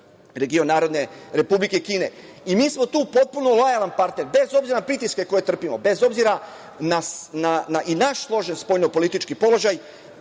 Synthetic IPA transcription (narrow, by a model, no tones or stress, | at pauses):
ɾe̞ɡio̞nːaːɾo̞d̪ne̞ɾe̞publike̞kiːne̞ | imiːsmo̞t̪uːpo̞t̪̚puno̞lo̞jalˠanpaɾt̪ne̞ɾbe̞zo̞bziɾaapɾit̪iske̞ko̞je̞t̪r̩pimo̞be̞zo̞bziɾa | nasnanaʔinaʃslˠo̞ʒenspo̞jnopo̞lit̪it͡ʃkipo̞lo̞ʒaj